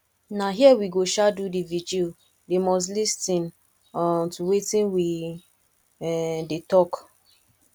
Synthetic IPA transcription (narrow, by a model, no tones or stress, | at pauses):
naɦiɛwiɡoʃadudivid͡ʒio | demɔs̬listĩn | ɔtuwetĩnwi | ɛdetɔk